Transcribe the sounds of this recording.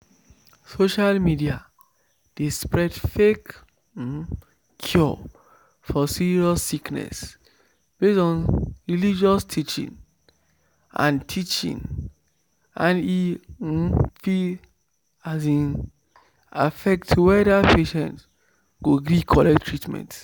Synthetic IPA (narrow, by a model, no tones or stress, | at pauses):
soʃalmidia | d̥espɹɛdfek̩ | kʰjɔ | fɔsiɹiɔsːiknɛ̰s | b̥esɔ̃nɹilid͡ʒɔstʰit͡ʃḭ̃ŋ | ã̰ntʰit͡ʃḭ̃ŋ | ãni | fi | azĩn | a̰fɛk̚tʰːuwɛdapʰeʃɛ̰̃nt | ɡoɡɾikʰɔlɛktʰːɹitmɛ̰̃nt